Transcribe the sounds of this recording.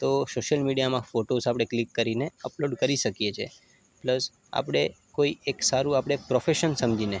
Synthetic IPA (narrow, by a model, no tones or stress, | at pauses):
t̪osoʃəlmiɽijamãfoʈosapɽ̃eklikːəɾineəploɖkəɾiʃəkijet͡ʃʰḛ | pləs | a̰pɽ̃e | koieksaɾũapɽ̃epɾofeʃənsəmd͡ʒine